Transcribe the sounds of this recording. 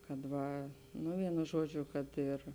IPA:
kɐt ˈʋɐ ˈnʊ ˈʋʲiɛnʊ ˈʒuɔˌd͡ʒʲʊ kɐt ˈɪr

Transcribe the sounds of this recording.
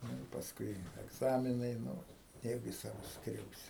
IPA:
ˈnʊ ɪ pɐsˈkʊɪ ɛɡˈzɑːmʲɪnɐɪ nʊ nʲɛˈjɛʊɡʲɪ ˈsɑːʋʊs ˈskrʲɛʊsʲɪ

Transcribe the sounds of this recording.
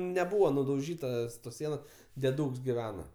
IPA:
nʲɛˈbuːʋoː nʊdɐʊˈʒʲiːtɐs toːs ˈsʲiɛnoːs dʲɛˈduːks ɡʲɪˈʋʲæːnɐ

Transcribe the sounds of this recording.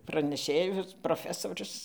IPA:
prɐnʲɛˈʃʲeːjʊs proːˈfʲæːsoːrʲʊs

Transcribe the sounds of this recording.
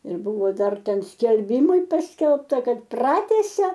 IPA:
ɪr ˈbʊʋoː ˈdɐr ˈtʲɛn sʲkʲɛlʲˈbʲɪmɐɪ ˈpɑːsʲkʲɛlˠptɐ ˈkɐt ˈprɑːtʲæːsʲɛ

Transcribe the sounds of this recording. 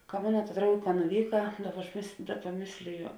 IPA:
kɐ ˈmoːnɐ tɐ ˈdrɐʊɡʲeː kɐ nʊˈʋʲiːkɐ ˈdɑːˌbɐ ɐʃ mʲeːs ˈdɑːˌbɐ ˈmʲeːsʲlʲɪjoː

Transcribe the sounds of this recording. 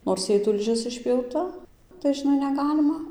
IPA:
noːrs ˈjɛɪ tʊlʲˈʒʲɪs ɪʃʲpʲjɛʊˈtɐ tɐɪ ʒʲɪˈnɐɪ nʲɛˈɡɑːlʲɪmɐ

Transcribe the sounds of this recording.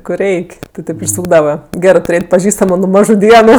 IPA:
kʊr ˈrʲɛɪkʲ tʲɪ ˈtʲeːp ɪʃˈsuːɡdɐʋɐ ˈɡʲæːrɜ tʊˈrʲeːtʲ pɐˈʒʲiːstɐmʊ nʊ ˈmɑːʒʊ ˈdʲiɛnʊ

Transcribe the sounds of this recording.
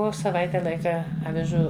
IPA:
ˈoː sɐˈʋɐɪtʲɛ ˈlˠɐɪkɐ ɐʋʲɪˈʒuː ɐʋʲɪʒuː

